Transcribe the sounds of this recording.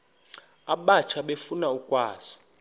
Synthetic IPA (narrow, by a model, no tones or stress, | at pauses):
aɓat͡ʃʰaɓefunaukʼwaːz̥i̥